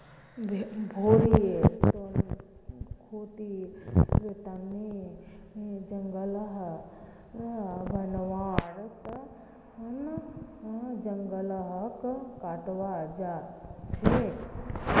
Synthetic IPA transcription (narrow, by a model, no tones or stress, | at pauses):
bʱoːɾiet̪on | kʰoːt̪i | ɾet̪ani | d͡ʒɐŋɡələɦ | bʱɐnʋaːɾt̪ɐ | n | d͡ʒɐŋɡələɦkkaːʈʋaːd͡ʒaːt͡ʃʰe